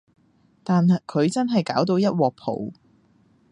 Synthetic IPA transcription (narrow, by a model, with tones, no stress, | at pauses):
t̪aː˨n˨kʰɵ˨˧ɥt͡sɐ˥nɦɐ˨jkaː˨˥wt̪̬o˧wjɐ˥t̚wɔː˨k̚pʰo̰˨˩w